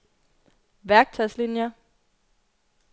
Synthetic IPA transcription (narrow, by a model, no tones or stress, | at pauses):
ʋæɐɡ̥̚t͡sʰɒɪ̰slinjɐ